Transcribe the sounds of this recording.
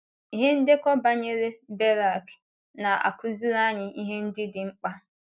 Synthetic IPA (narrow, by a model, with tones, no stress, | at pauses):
i˦ɦe˦n̩˦dɪ˦kɔ˦ba˦ɲe˦ɾe˦be˦ɾa˨k | na˨a̰˨kʊ˦zi˦ɾa˦ɲɪ˨i˦ɦe˦n̩˦dɪ˦dɪ˨ŋ͡m̩˦k͡pa˦